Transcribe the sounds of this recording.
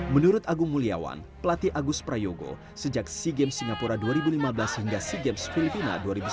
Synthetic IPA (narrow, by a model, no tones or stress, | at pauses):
mənuɾʊt̪aɡʊŋmulia̰wa̰npəlat̪iʔaɡʊs̚pɾajoɡo̰ | səd͡ʒak̚siɡɛmsiŋɡapuɾaduaɾibulimabəlasəhiŋɡasiɡɛmsfilipina̰duaɾibu